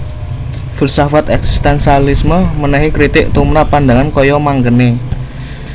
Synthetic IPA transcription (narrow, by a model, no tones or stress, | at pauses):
fulsafat̪ɛksi̥st̪ɛnsialisməmənəɦikɾit̪ɪk̚t̪umɾapːand̪a̤ŋankɔjɔmaŋkəne